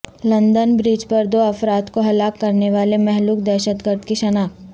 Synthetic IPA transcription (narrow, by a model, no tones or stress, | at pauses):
lɐ̃nd̪ənbɾiːd͡ʒpɐɾd̪oːɐfɾaːt̪koɦɐlaːkːɐɾneʋaːlemɛɦluːk̚d̪ɛːʃət̪ɡəɾd̪kiʃɐnaːk̚